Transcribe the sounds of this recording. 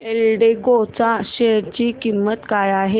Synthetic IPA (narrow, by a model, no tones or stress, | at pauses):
elɖekot͡saɕeɽt͡ɕiːkimːət̪kajaɦe